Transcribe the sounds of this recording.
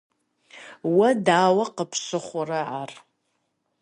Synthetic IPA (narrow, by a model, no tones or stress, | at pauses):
wadaːwaqəpʰʃɨχʷʊraʕar